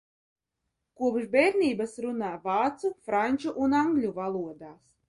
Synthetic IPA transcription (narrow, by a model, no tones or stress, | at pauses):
kuɔpʃbɛɾʲnʲiːbasɾunaːvɑːt̪sufɾanʲt͡ʃuʔunaŋɡlʲuvalˠuɔd̪aːs